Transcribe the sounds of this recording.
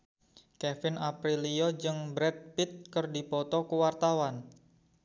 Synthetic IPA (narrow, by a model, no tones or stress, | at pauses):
kɛfɪnapɾiliɔd͡ʒɨŋbɾɛt̪̚pit̪̚kərdipɔt̪ɔkuwart̪awan